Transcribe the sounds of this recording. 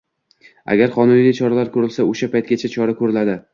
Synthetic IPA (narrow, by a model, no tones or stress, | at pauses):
a̰ɡʲaɾqɒnʊnlijt͡ʃʰɒɾalaɾkʰɵɾɪlsaoʃapʰajt̪̚ɡʲat͡ʃʰat͡ʃʰɒɾakʰɵɾɪlad̪ɪ